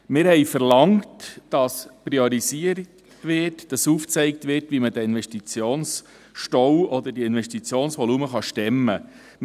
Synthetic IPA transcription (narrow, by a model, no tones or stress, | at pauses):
mɪːɾhɛɪfəɾlɑŋtːd̥ɑspɾioɾisiəɾt | ʋɪrtd̥ɑsuːft͡sɛɪk̚tʋɪɾtʋimədɛɪnʋɛʃtit͡sjoːns | ʃtɔwɔd̪əɾdiɪnvɛʃtit͡sjoːnsʋɔluːməχɑʃtɛmːə